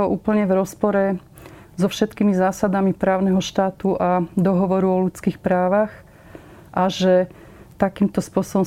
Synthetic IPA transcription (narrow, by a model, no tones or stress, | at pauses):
ɔʔuːpl̩ɲɛvɾɔspɔɾɛ | zɔfʃɛt̪kiːmizaːsad̪amipɾaːʊnɛɦɔʃt̪aːt̪uʔad̪ɔɦɔʋɔɾuɔlut͡skiːxpɾaːʋax | ʔaʒɛ | t̪akiːmt̪ɔspʊɔsɔbɔm